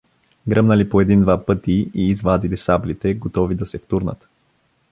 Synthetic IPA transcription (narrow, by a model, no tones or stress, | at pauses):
ɡɾəmnəlipoɛd̪ind̪vapɤt̪iːzvad̪ilisablit̪ɛɡot̪ɔvid̪ɐsɛft̪uɾnə̰t̪